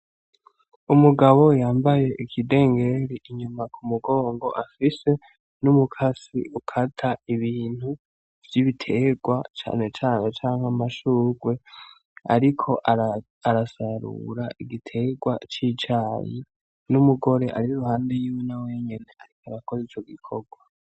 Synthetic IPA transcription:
umuɡaβo̞jaːmbaje̞ʔikʰide̞ːŋɡe̞ɾiʔiɲumakʰumuɡo̞ːŋɡo̞̰ʔafise̞ | numukʰasḭʔukʰatʰaiβiːn̥hu | v̥jiβitʰe̞ɡwat͡ʃa̰ːne̞t͡ʃaːne̞t͡ʃaːŋhamaʃuːɡwe̞ | a̰ɾikʰo̞ʔaɾ | aɾasaɾṵɾaʔiɡitʰe̞ɡwa̰t͡ʃiːt͡ʃajḭ | numuɡo̞ɾe̞ʔa̰ɾiɾuɾuhaːnde̞jiːwenawe̞ɲe̞ne̞aɾikaɾakozit͡ʃo̞ɡikʰoɡwa

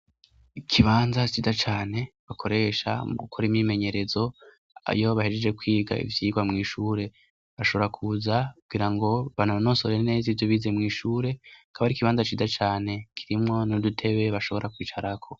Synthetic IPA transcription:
ikʰiβaːnzat͡ʃizat͡ʃaːne̞βakʰo̞ɾe̞ʃa̰mukʰoɾimɲime̞ɲe̞ɾe̞zo̞ | a̰jo̞βahed͡ʒed͡ʒe̞kwiːɡa̰ḭvjiːɡwamŋiːʃuːɾe̞ | βaʃo̞βoɾakʰuzakuβɡiːɾaŋɡo̞βanono̞ːsoɾene̞ːzivjoβiːze̞mŋiːʃuːɾe̞akʰaβaɾikiβaːnzat͡ʃiːzat͡ʃaːne̞kʰiɾimŋo̞nodutʰe̞βe̞βaʃo̞βo̞ɾʔakwiːt͡ʃaɾakʰo̞

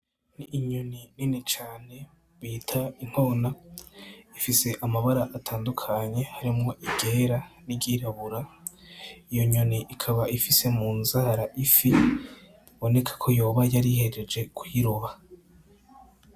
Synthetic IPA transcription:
niʔːɲonininit͡ʃaːne̞ | βiːtʰain̥ho̞ːna | ifise̞ʔamaβaɾaʔatʰaːndukʰaɲe̞haɾimŋo̞ʔiɡeːɾanibɟiːɾaβuɾa | ijo̞ɲoniʔikʰaβaʔifise̞muːnzaːɾaʔifi | βo̞ne̞kʰḁkʰo̞jo̞ːβajaɾihe̞ɾe̞d͡ʒe̞kʰujiɾoβa

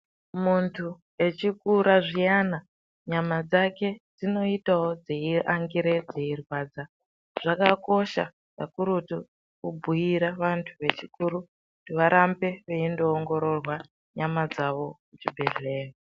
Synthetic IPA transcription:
muntʰu | e̞t͡ʃikuɾaʐijana | ɲamad͡zake̞d͡zino̞itawod͡zeiʔaŋɡiɾed͡zeirwaːd͡za | ʐ̥akako̞ʃa̰ | ka̰kuɾutu | kubʱujiɾaʋantʰuʋe̞t͡ʃikuɾu | tiʋaɾʔambe̞ʋeindoːŋɡo̞ɾo̞rwa | ɲamad͡zaʋo̞kut͡ʃibʱe̞ɮe̞ːka

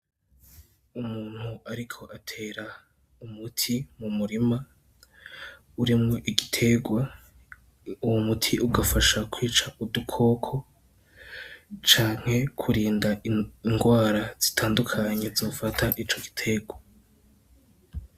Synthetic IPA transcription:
umuːn̥huʔaɾikʰo̞ʔatʰe̞ːɾa | umutʰimumuɾima | uɾimŋo̞ʔiɡitʰe̞ɡwa | uwomutʰiʔuɡafaʃakwiːt͡ʃaʔudukʰo̞ːkʰo̞ | t͡ʃaːŋ̥he̞kʰuɾiːndaiŋɡwaːɾaz̥itʰaːndukʰaɲe̞zo̞ːfatʰaʔit͡ʃo̞ɡi̥tʰe̞ɡwa

